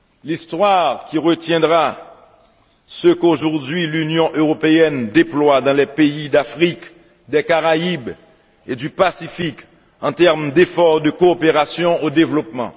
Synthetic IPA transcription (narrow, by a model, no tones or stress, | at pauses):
list̪waʁkʲiʁət̪jɛ̃d̪ʁa | səkoʒuʁd̪ɥilynjɔ̃ʔøʁɔpeɛnd̪eplwad̪ɑ̃lɛpeid̪afχik | d̪ɛkaʁaib | ed̪ypasifik | ɑ̃t̪ɛʁmd̪efɔʁd̪əkoːpeʁasjɔ̃od̪evlɔpmɑ̰̃